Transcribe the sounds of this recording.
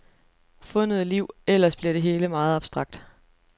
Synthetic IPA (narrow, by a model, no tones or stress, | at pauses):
fɔ̽nəð̞̩ˠliʊ̰el̰ɐsb̥liɐɾ̥e̝ɦe̝ːləmɑ̈ːð̞̩ˠɑ̈b̥sd̥ʁɑ̈ɡ̥̚d̥